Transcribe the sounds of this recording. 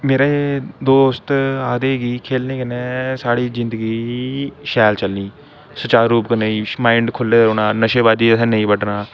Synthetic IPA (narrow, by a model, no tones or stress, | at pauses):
meːɾeːd̪oːst̪aːd̪eːɡiːkʰeːlniːkənɛ̃ːsaːɽiːzɪnd̪əɡiːʃɛːlt͡ʃəlniː | sət͡ʃaːɾːuːp̚kəneːiːmãːɪɳɖkʰʊleːɾoːnaːnəʃeːbaːd͡ʒ̪iːəsɛ̃ːnəĩːbəɖnaː